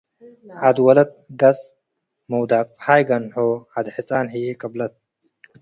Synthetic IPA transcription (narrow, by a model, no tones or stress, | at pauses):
ad̪wɐlɐt̪̚ɡɐt͡s | mɐwd̪aːkhaːjɡɐnħoad̪ħit͡sʼaːnħijekɐblɐt̪̚